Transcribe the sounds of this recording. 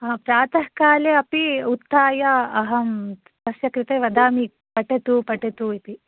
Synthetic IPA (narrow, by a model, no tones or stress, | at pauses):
ɐɐpɾaːt̪ɐhkaːleɐpiut̪ːaːjɐɐɦɐm | t̪ɐsjɐkɾɪt̪eːʋɐd̪aːmi | pɐʈet̪upɐʈet̪uit̪i